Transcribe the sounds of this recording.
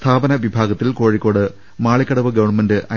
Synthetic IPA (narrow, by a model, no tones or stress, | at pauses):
t̪ʰaːbɐnɐʋibʱaːɡɐt̪ːilko̞ːɻikʲːo̞ːɽɨ | maːɭikʲːɐɽɐʋɐɡɐʋɐɳmendɨʔɐ